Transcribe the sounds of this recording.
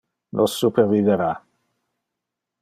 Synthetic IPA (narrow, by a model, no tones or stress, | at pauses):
nʔɔsːupʰɛrviðɛɾa